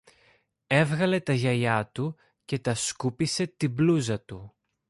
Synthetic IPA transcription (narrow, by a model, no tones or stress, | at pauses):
e̞vɣɐle̞t̪ɐʝɐʎɐt̪u | ce̞t̪ɐskupise̞t̪ibluzɐt̪u